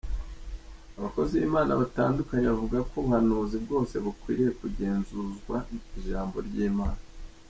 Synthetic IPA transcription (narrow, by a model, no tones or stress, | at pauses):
aβako̞ziβḭmaːnʔa̰βataːndukaɲeβavuɡako̞ŋ̥hanuzibɡo̞ːse̞βukwḭːɾijekuɟe̞ːnzuzɡwaiʒaːmbo̞̰ɾɟiːmaːna